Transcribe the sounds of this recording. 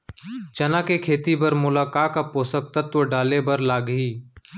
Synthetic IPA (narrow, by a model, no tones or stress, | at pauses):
t͡ʃənãːkeːkʰeːt̪iːbəɾmʊlaːkaːkapoːsək̚t̪ət̪oːɖaːleːbəɾlaːɡɦiː